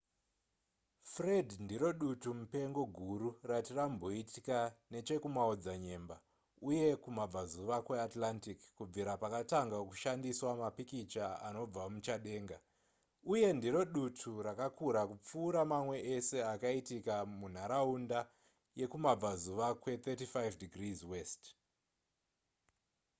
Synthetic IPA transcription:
fredndiɾo̞ɗutumupe̞ŋɡo̞ɡʱuɾuratirambo̞itikane̞t͡ʃe̞kumaod͡zaɲe̞ːmba | uje̞kumab͡vazuʋakweatlantikːub͡viɾapakataŋɡakuʃandiswamapikit͡ʃaa̰no̞b͡vamut͡ʃaɗe̞ːŋɡa | uje̞ndiɾo̞ɗutʰurakakuɾakup͡fuːɾamamwe̞ʔese̞akaitikamun̤aɾaunda | je̞kumab͡vazuʋakwe̞t̪etifajvdiɡrizwest

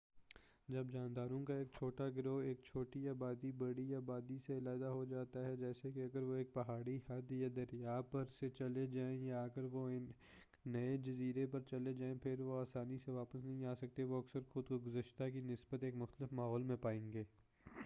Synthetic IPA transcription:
d͡ʒɐbd͡ʒaːnd̪aːɾõkaeːk̚t͡ʃʰoːʈaɡɪɾoːeːk̚t͡ʃʰoːʈiaːbaːd̪ibɐɽiaːbaːd̪iseɪlaːɪd̪aɦod͡ʒaːt̪aɦɛd͡ʒɛːsekeɐɡəɾʋoeːk̚pɐɦaːɽihɐd̪jad̪ɐɾjaːpɐɾset͡ʃɐled͡ʒaːẽjaːkəɾʋoɪnː | ɐed͡ʒɐziːɾepɐɾt͡ʃɐled͡ʒaːẽpʰɪɾʋoaːsaːniseʋaːpəsnɐɦĩaːsɐk̚t̪eʋoɐksəɾxʊd̪koɡʊzəʃt̪akinɪsbət̪eːkmʊxt̪əlɪfmaːɦɔːlmẽpaːẽːŋɡeː

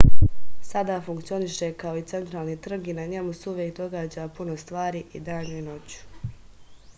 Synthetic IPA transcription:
sad̪aːfuŋkt̪sio̞niʃe̞kao̞it̪se̞nt̪ɾaːlˠnit̪r̩ɡinaɲe̞museuʋjek̚d̪o̞ɡaːd͡ʑapuno̞st̪ʋaːɾiːʔid̪aːɲuino̞t͡ɕu̥

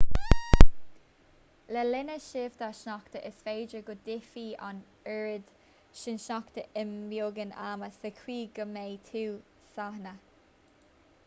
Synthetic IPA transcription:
lɛlɪnəʃɪvd̪aʃnɔkt̪əʔɪsfeːd͡ʒəɡʊd̪ɪfiːa̰n | ɛɹɪd̪̥ | ʃɪnʃnɔkt̪əʔɪmvjoːɡəna̰məsəkʰwiːɡəmeːt̪ʰuː | sahnə

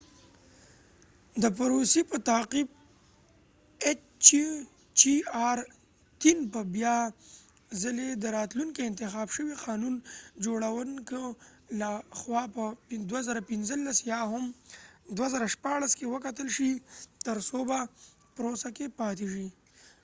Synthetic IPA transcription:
d̪əpaɾosipət̪aqib̚ | et͡ʃ | t͡ʃ | t͡ʃiɑɾ | t̪inpəbjɑ | zəled̪əɾɑt̪luŋkiɪnt̪ɪxɑbʃəwiqɑnund͡ʒoɽawənkə | laxwɑpəd̪wazaɾapɪnzəlːasjɑɦʊmd̪wazaɾaʃpɑɽaskewəkat̪əlʃit̪əɾsoba | pɾosakepɑt̪eʒi

